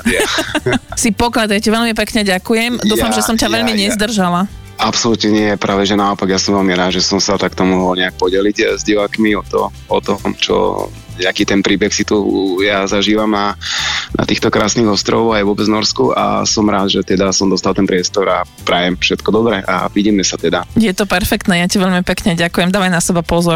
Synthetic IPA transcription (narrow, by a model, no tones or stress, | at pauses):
sipɔklad̪ajcaʋɛʎmipɛkɲɛɟakujɛmd̪uːfamʒɛsɔmcaʋɛʎmiɲɛzd̪r̩ʒala | ʔapsɔlut̪ɲɛɲɪɛjɛpɾʔaːʋɛʒɛnaɔpaɡjasɔmʋɛʎmiɾaːd̪ʒɛsɔmsat̪akt̪ɔmɔɦɔlɲɛak̚pɔɟɛliɟzɟiʋaːkmiɔt̪ɔ̰ | ɔt̪ɔmt͡ʃɔ̰ | ɲakiːt̪ɛnpɾiːbɛxsit̪ujazaʒiːʋamnana̰t̪iːxt̪ɔkɾa̰ːsniːɣɔst̪ɾɔʋɔʊajʋʊɔbɛd͡znɔɾskua̰sɔmɾaːd̪ʒɛt̪ɛd̪asɔmd̪ɔst̪alˠt̪ɛnpɾɪɛst̪ɔɾapɾajɛmfʃɛt̪kɔd̪ɔbɾɛʔa̰ʋiɟiːmɛsat̪ɛd̪ajɛt̪ɔpɛɾfɛkt̪nɛːjaciʋɛʎmipɛkɲɛɟakujɛmd̪aːʋajnasɛbapɔzɔɾ